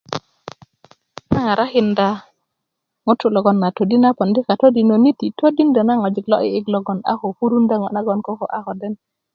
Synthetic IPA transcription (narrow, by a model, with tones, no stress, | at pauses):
na˦ŋa˨ɾʔa˦xi˨nda˨ | ŋo˦tːu˦lo˨ɡo˨nːa˨to˨di˦na˦po˨ndi˦ka˨to˦di˨no˨ni˦ti˨to˦di˦nda˨na˦ŋo˨d͡ʒi˨klo̰˦ʔiː˦klo˨ɡo˨na̰˦ho˨fu˦ɾu˦nda˦ŋo˨na˦ɡo˦nko˦ko˨ʔa˦ho˨dɛ˦n